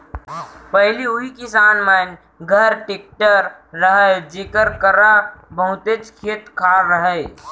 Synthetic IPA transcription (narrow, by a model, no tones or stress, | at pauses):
pəɦɪliʊɦikɪsaːnmən | ɡʱəɾʈɪk̚ʈəɾːəɦəd͡ʒeːkəɾkəɾabəɦʊt̪et͡ʃkʰeːt̪kʰaɾːəɦə